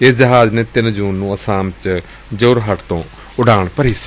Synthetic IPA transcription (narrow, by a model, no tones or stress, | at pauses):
ɪsd͡ʒəɦaːd͡ʒneːt̪ɪnd͡ʒuːnːũːəsaːmt͡ʃ | d͡ʒoːɾɦəʈt̪õː | ʊɖaːɳpəɾiːs